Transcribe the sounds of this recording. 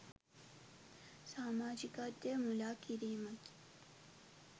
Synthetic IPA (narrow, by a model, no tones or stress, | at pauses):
saːmaːd͡ʒikat̪ːemulakiɾeːmɐki̥